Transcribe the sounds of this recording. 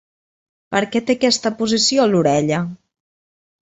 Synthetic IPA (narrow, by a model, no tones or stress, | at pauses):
pəɾkɛt̪ekɛst̪əpuzisioluɾɛʎə